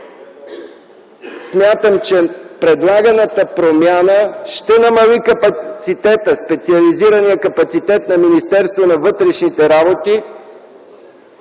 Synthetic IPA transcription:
smʲjat̪əmt͡ʃɛpɾɛd̪lˠaɡɐnət̪əpɾomʲjanəʃt̪ɛnɐmɐlikɐpɐt̪sit̪ɛt̪əspɛt̪siɐliziɾənijəkɐpɐt̪sit̪ɛt̪nɐminist̪ɛɾst̪vonɐvɤt̪ɾɛʃnit̪ɛɾabot̪i

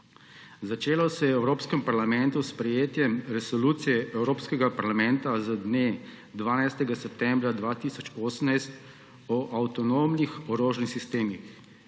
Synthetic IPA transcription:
zat͡ʃeːlɔsɛjɛɛwɾoːpskɛmpaɾlamɛnt̪uspɾɛjeːt̪jɛmɾɛsɔluːt̪sijɛɛwɾoːpskɛɡapaɾlamɛnt̪azad̪ne | d̪ʋaːnajst̪ɛɡasɛp̚t̪ɛmbɾad̪ʋaːt̪isɔt͡ʃoːsəmnajst̪ | ɔʔawt̪ɔnoːmnixɔɾoːʒnixsist̪eːmix

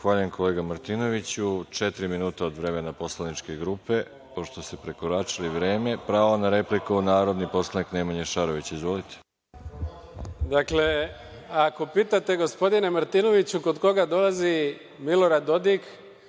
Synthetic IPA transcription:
xʋaːʎujemkʰo̞le̞ːɡamaɾt̪ino̞ʋit͡ɕut͡ʃet̪ɾiminuːt̪aod̪ʋɾe̞menapo̞slanit͡ʃke̞ɡɾuːpe̞ | po̞ʃt̪o̞st̪epɾe̞koɾat͡ʃiliʋɾe̞ːme̞pɾaːonaɾe̞plikuunaːɾo̞d̪nipo̞slˠanikneːmaɲeʃaɾoʋit͡ɕizʋolit̪ʰe̥ | d̪akle | ako̞piːt̪at̪e̞ɡo̞spo̞d̪inemaɾt̪ino̞ʋit͡ɕuko̞d̪ko̞ɡad̪o̞lazi | milo̞ɾad̪ːo̞d̪ik

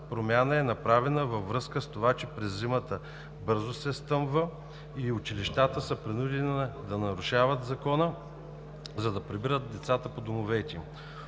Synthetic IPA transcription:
pɾomʲjanəɛnɐpɾavɛnəvɐvɾɤskəst̪ovat͡ʃɛpɾɛzːimət̪ə | bɤɾzosɛst̪ɤmvə | iʊt͡ʃiliʃt̪at̪əsəpɾinud̪ɛnid̪ɐnɐɾʊʃavət̪zɐkɔnə | zɐd̪ɐpɾibiɾət̪̚d̪ɛt̪sat̪əpod̪omovɛt̪ʲi

